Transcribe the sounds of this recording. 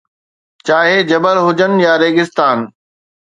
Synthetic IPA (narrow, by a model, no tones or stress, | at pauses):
t͡ɕaːɦed͡ʑɐbəɾɦʊd͡ʑən̆jaːɾeːɡɪst̪aːn